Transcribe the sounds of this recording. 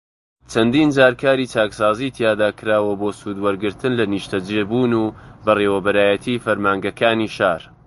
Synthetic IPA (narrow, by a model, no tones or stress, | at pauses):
t͡ʃʰɐnd̪iːnd͡ʒaːɾkʰaːɾiːt͡ʃaːksaːziːt̪ʰjaːd̪aːkʰɨɾaːwɐboːsuːd̪wɐɾɡɨɾt̪ʰɨnlɐniʃt̪ɐd͡ʒebuːnubɐreːwɐbɐɾaːjɛt̪ʰiːfɐɾmaːŋɡɐkʰaːniːʃaːɾ